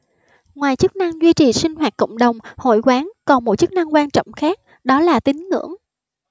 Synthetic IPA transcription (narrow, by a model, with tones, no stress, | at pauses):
ŋwaː˨˩jt͡ɕɨ˦˥k̚na˧ŋzwi˧t͡ɕi˨˩sï˧ŋ̟hɦwaː˨˩t̚kə̰˧˨wŋ͡mɗə˨˩wŋ͡mho̰˧˨jkwaː˨˦ŋkɔ˨˩nmo˨˩t̚t͡ɕɨ˦˥k̚na˧ŋkwaː˧nt͡ɕɔ̰˧˨wŋ͡mxaː˦˥k̚ | ɗɔ˨˦laː˨˩t̪ï˨˦ŋ̟ŋɨ̰˧˩˥əŋ